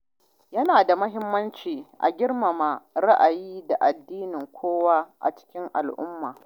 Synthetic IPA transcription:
jɐ˦naː˨da˨mɐ˦ɦɪ˦mːɐ˦nt͡ʃiː˨ʔa̰˨ɡʲɪ˦rma˨ma˨ɾa˦ʔa˨jiː˦da˨ʔa˨dːiː˦nɪ˨ŋkʷʰoː˦wa˦ʔa̰˨t͡ʃɪ̥˦kʲɪ˦ŋʔa̰˨lʔʊ̰˦mːaː˨

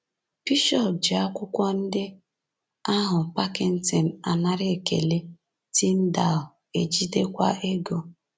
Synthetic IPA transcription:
pi˦ʃɔ˦˨pd͡ʒɪ˨a˦kʷʊ˦kʷɔ˦n̩˦dɪ˦ | a˦ɦʊ˨pa˦kɪ˨n̩˦ti˨n̩˨a˨na˦ɾɪ˦e˨kḛ˨le˦ | ti˦m̩˦da˨l | e˨d͡ʒi˦de˦kʷa˦ʔe˦ɡo˦

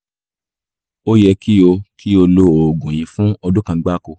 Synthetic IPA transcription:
o˦jɛ˧ki˦o˧ki˦o˧lo˧o˨ɡũ˨j̃ĩ˨˧fũ˦ɔ˧dũ˦kã˧˦ɡ͡ba˦ko˧

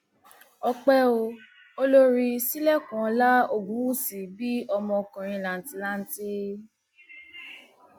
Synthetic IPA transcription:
ɔ˧k͡pɛ˦o˧ | o˦lo˦ɾi˧si˦lɛ˦˨kɔ̃˨˧la˦o˨ɡũ˨˦wu˦˨si˨bi˦ɔ˧mɔ̃˧kã˨ɾ̃ĩ˧˨la˨n̩˨˦ti˧la˦n̩˦ti˦

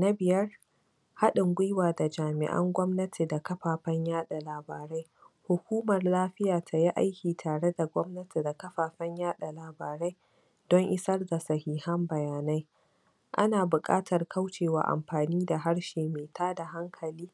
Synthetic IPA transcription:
na˦bɪ˨jɐ˦r | ha˦ɗɪ˨ŋɡʷʊ˦jwaː˨da˨d͡ʒaː˨mɪ̰˨ʔɐ̰˦ŋɡʷɔ˦mnɐ˦tʰi˨da˨kɐ˦ɸaː˨ɸɐ˦ɲjaː˦ɗa˨laː˨baː˨ɾa˦j | hʊ˨kʷuː˦mɐ˨rlaː˦ɸɪ˦jaː˨tʰa˨ja˦ʔa˦jkʲiː˨tʰaː˨ɽe˦da˨ɡʷɔ˦mnɐ˦tʰi˨da˨kɐ˦ɸaː˨ɸɐ˦ɲjaː˦ɗa˨laː˨baː˨ɾa˦j | d̥ɔ˦ŋʔɪ˦sɐ˦rda˨sɐ˨hiː˦hɐ˦mbɐ˨jaː˨na˦j | ʔa˦naː˨bʊ˨kʼa̰ː˦tʰɐ˨rkʰa˦wt͡ʃeː˨wa̰ː˨ʔa̰˨mɸaː˨niː˦da˨ɦa˦ɽʃeː˨meː˨tʰaː˦da˨ɦa˦ŋkʰɐ˨liː˦

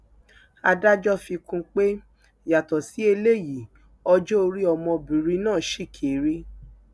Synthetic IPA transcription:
a˧da˦d͡ʒɔ˦fi˧kũ˧k͡pe˦ | ja˨tɔ˨si˨˦e˧le˦˨ji˨ | ɔ˧d͡ʒo˦o˧ɾi˦ɔ˧mɔ̃˧bĩ˨ɾi˧˦nãː˦˨ʃi˦˨kʰe˨ɾi˦

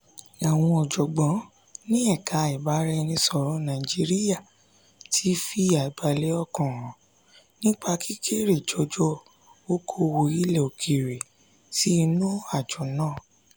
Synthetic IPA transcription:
a˨w̃ɔ̃˧ɔ˨d͡ʒɔ˨ɡ͡bɔ̃˨˦ | nĩ˦ɛ˦˨kʰa˨˧i˨ba˨˦ɾɛ˦˧nĩ˧sɔ˨ɾɔ̃˨˦nã˨i˨d͡ʒi˧ɾi˦ja˦˨ | tʰi˦fi˦a˨i˨ba˧le˦ɔ˦˨kɔ̃˨ɾ̃ɔ̃˨˦ | nĩ˦k͡pa˧kʰi˦kʰe˦ɾe˨d͡ʒɔ˧d͡ʒɔ˦ | o˦kʰo˧wo˧i˦le˨o˨kʰi˨ɾe˨ | ti˦˧nũ˦a˦˨d͡ʒɔ˨nãː˦˨

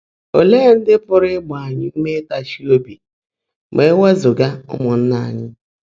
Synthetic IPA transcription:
o˨leː˦n̩˦dɪ˦pʊ˦ɾɪ˦ɡ͡bʊ˨a˨ɲɪ˨m̩˦me˦ta˨ʃi˦o˦bi˨ | me˨˦we˦zʊ˨ɡa˦ʊ̰˦mʊ˨n̩˦na˦˨a̰˨ɲɪ˦

